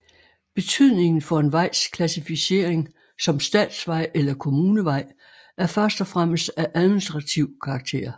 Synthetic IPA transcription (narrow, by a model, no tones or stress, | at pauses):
b̥e̝t͡sʰyð̞̰ˠne̝ŋn̩fɒ̽e̝nʋɑ̈ɪ̰skʰlæsifise̝̰ɐ̰eŋ | sɒ̽msd̥ɛ̰ːd̥sʋɑ̈ɪ̰ʔelɐkʰo̝muːnəʋɑ̈ɪ̰ | æɐfɶɐsd̥ɒfʁaməsd̥æʔæðˠminisd̥ʁɑ̈t͡sʰiʊ̰kʰɑ̈ɡ̥t͡sʰe̝̰ːɐ